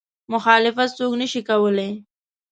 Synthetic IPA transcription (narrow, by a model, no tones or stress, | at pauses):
mʊxɑlɪfat̪̚soknəʃikawəle